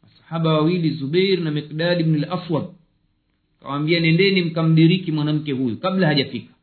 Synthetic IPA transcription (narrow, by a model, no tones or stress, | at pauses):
wasḁhaɓawawilizuɓɛjɾnamiqɗaːɗibnalaswam̚ | ka̰waːmbianɛndɛnim̩kam̩ɗiɾikimwanam̩kɛhujukaɓlahaʄafikḁ